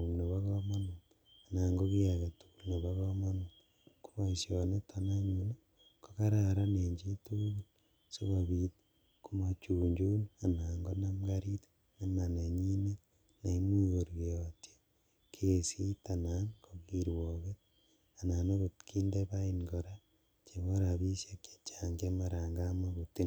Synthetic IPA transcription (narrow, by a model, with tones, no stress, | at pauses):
u˨ne˨βa˦ko˦ma˦nu˨ | a˨na˨ŋɡo˦ki˦a˨ke˨tu̥ku˨lne˨βa˦ko˦ma˦nu˨ | ku˦βa˦isjo˨ne˦tʰana˦ɲuna˦ | ko˦ka˦ɾa˦˨ɾa˦ne˨ɲd͡ʒe˦tu˦ɣu˦l | se˦βa˨βi˨t | ku˦ma˨t͡ʃuː˨ɲd͡ʒu˦na˨na˨ŋɡo˦na˦mɡaɾi˦t | na˦ma˨ne˨ɲi˦ne˦ | na˨i˦mwiɣoɾieo˨tje˦ | kʰee˨si˦tanaŋkoɣi˦ɾwoβe | a˨na˨no˦βotki˦ndeβaiŋɡoɾa | t͡ʃe˨βoɾaβi˦sje˦ke̥t͡ʃaŋɡemaɾaːŋɡamwaβuti˦